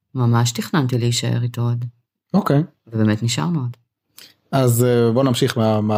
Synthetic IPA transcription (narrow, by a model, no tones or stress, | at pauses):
mamaʃtiχnant̪ileiʃaḛʁit̪ood | okej | vebemetniʃa̰ʁmeod | azbonamʃiχmama